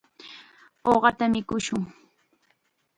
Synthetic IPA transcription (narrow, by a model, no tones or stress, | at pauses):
oɢɑt̪amɪkʊʃʊŋ